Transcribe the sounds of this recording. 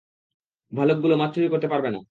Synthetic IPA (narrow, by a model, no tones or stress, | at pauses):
bʱalok̚ɡulomat̪ːʰoikoɾt̪epaɾbena̰